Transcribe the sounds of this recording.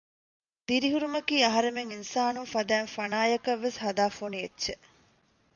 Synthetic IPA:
d̪iɾiɦuɾumɐkiːɐɦɐɾemeŋinsaːnunfɐd̪æːnfɐnaːjɐkɐʋːeshɐd̪aːfonietːʃe

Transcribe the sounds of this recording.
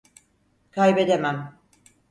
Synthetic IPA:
kʰajbe̞d̪emæm

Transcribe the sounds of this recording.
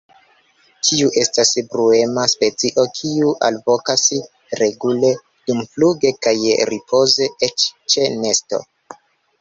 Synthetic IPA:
tʰiuʔe̞stasbɾue̞maspe̞t͡siʔo̞kʰiuʔa̰lvo̞kas | ɾe̞ɡule̞ | d̥umfluɡe̞kajɾipʰo̞ze̞et͡ʃt͡ʃe̞ne̞sto̞̰

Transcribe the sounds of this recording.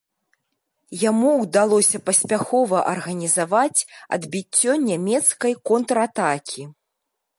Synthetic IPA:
jamuwd̪alˠɔsʲɐpɐsʲpʲaxɔvɐʔɐrɣɐnʲizavat͡sʲɐ̰d̪bʲit͡sʲːɔnʲamʲɛt̪skɐjkɔnt̪ɾat̪akʲʰi

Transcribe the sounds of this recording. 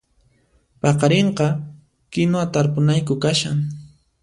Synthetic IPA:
pɑqɑɾeɴqɑ | kɪnoat̪aɾpʊnajkʊkaʃaŋ

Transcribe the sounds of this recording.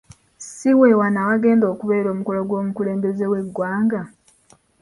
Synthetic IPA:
siwe̞wanawaɡe̞ːndo̞ːkuβeːɾo̞ːmuko̞loɡwo̞ːmukule̞ːmbe̞zewe̞ɡːwaːŋɡa

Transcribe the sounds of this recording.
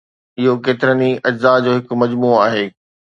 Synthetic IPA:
ɪɦokeːt̪ɪɾəniɐd͡ʑzad͡ʑoːɦɪk̆mɐd͡ʑmuːaːɦeː

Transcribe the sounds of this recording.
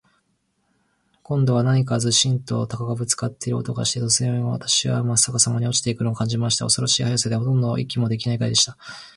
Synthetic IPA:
kõ̞nd̪o̞β̞anaɲ̟ik̬azɨɕĩnt̪o̞ːt̪akakabɯ̟t͡sɨ̥kat̪ːeɾɯo̰t̪oɡa̰ɕi̥t̪e̞t̪o̞sɨẽɡaβa̰t̪ḁɕiβa̰masakasamaɲ̟io̞t͡ɕi̥t̪e̞ikɯ̟noːkãɲ̟d͡ʑimaɕi̥t̪ao̞so̞ɾo̞ɕiːhajasad̪eɦo̞t̪õnd̪o̞ʔikʲːimo̞d̪e̞kʲinaikaid̪e̞ɕi̥t̪ḁ

